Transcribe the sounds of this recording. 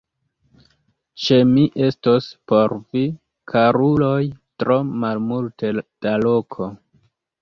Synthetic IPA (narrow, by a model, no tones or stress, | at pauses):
t͡ʃe̞miʔe̞stospo̞ɾvi | kʰaɾulo̞jtɾo̞malmulted̥alo̞kʰo̞